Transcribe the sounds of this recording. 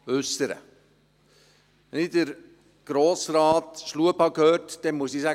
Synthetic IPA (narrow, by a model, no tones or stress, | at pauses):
øsəɾə̰ | ʋɛnɪdəɾ | ɡ̥ɾoːsɾɑːtʃluəphɑkhøːɾtd̥ɛnmuəsiːsæ